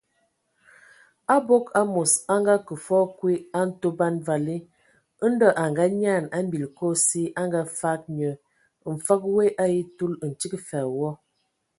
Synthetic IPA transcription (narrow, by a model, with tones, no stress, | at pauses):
a˦bo˦ka˦mo˨sa˦ŋɡa˦kə˨fɔ˦kwi˦a˦n̩˦to˦ba˦nva˨li˦ | n̩˦dɔ˦ʔa˨ŋɡa˦ɲa˦˨na˦m̩˦bi˨lko˦si˦ʔa˦ŋɡa˦fa˦k̚ɲə˨ | ɱ̩˨fa˦k̚we˦ʔa˦ji˦tu˦ln̩˨t͡ʃi˦kfa˨wɔ˦